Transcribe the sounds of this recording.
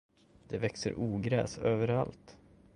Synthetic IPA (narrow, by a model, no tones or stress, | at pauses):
d̪̥ɛvɛksə̰ɾʔuːɡɾɛ̰ːsøːvəɾalt̪